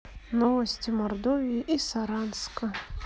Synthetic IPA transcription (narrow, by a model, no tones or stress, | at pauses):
nɔvɐsʲt͡sʲimard̪ɔvʲijiʔisaɾanskɐ